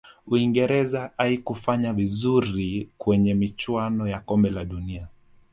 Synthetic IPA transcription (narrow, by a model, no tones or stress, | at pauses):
uiŋɡɛɾɛzaaikufaɲavizuɾikwɛɲɛmit͡ʃwanɔjakɔmbɛlaɗunia